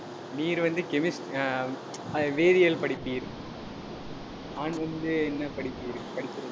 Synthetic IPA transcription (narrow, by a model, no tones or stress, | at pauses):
niːɾʋɐnd̪ɯkɛmɪsʈ | ɐʋeːðɪjɐlpɐɽɪpːiɾ | aːnɐnd̪ɯɛnːɐpɐɽɪpːiɾpɐɽɪpːɯɾɐ